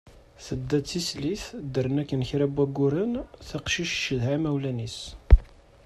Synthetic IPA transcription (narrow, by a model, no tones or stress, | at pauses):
θəd̪ːæt͡sːisliθd̪əɾənækːənçɾæbæɡːʊɾənθɑqʃiʃʃəðɦæmæwlænis